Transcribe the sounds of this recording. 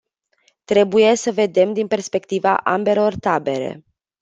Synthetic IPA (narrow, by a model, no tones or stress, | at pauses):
t̪ɾe̞buje̞səve̞d̪e̞md̪inpe̞rspe̞kt̪iva̰ʔambe̞lo̞rt̪abe̞ɾe̞̰